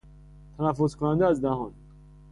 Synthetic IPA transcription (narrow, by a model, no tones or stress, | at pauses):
t̪ʰænæfːoskʰonænd̪ææzd̪æɦɒn